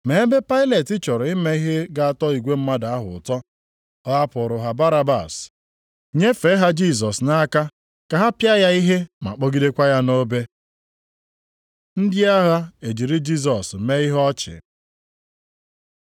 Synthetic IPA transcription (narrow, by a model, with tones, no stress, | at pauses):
me˨˦be˦pa˦ɪ˦le˨tɪ˦t͡ʃɔ˨ɾʊ˨ɪ˦me˦i˦ɦe˦ɡa˦a˨tɔ˦i˨ɡʷe˦m̩˦ma˦da˨a˦ɦʊ̰˨tɔ˦ | ɔ˦a˦pʊ˨ɾʊ˨ɦa˨ba˦ɾa˦ba̰˨s | ɲe˦fe˨˦ɦa˦d͡ʒi˦˨s̬ɔ˨sna˦ka˦ | ka˨ɦa˦pja˦ja˦i˦ɦe˦ma̰˨k͡po˦ɡi˦de˦kʷa˦ja˦no˦be˦ | n̩˦dɪ˦a˦ɦa˦e˨d͡ʒi˨ɾi˦d͡ʒi˦s̬ɔ˨s̩˨me˦i˦ɦɔ˦t͡ʃɪ̰˨